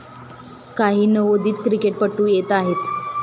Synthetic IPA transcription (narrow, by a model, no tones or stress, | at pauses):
kaɦiːnəʋod̪ʱiːt̪kɾikeʈ̚pəʈːuːjet̪aɦet̪